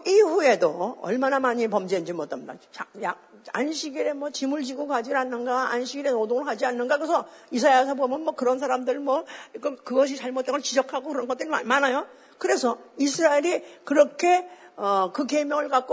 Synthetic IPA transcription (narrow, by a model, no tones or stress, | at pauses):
iɸue̞doʌ̰ɭmanamaɲipʌmd͡ʑend͡ʑimʌt͈amda̰t͡ɕaja | a̰nɕʰiɡiɾe̞mwʌt͡ɕimuɭd͡ʑiɡokad͡ʑiɾɦanːɯnɡaa̰nɕʰiɡiɾe̞nodoŋɯɭɦad͡ʑianːɯnɡakɯɾesʰʌisʰajas̬ʰʌbomjʌnmwʌkɯɾʌnsʰaɾamdɯɭmwʌk͈kɯɡʌɕ̬ʰit͡ɕaɭmot͈eŋɡʌɭt͡ɕid͡ʑʌkʰaɡokɯɾʌnŋɡʌt͈ɯɾiamanajo | kɯɾe̞sʰʌisʰɯɾaeɾikɯɾʌkʰe̞ʌkɯke̞mjʌŋɯɭkak͈o